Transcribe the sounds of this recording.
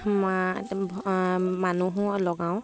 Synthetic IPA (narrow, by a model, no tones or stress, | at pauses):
ma | manuɦulɔɡaw